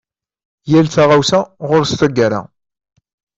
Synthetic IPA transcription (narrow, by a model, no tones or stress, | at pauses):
jælθaʁawsaʁʊɾst̪æɡæɾa̰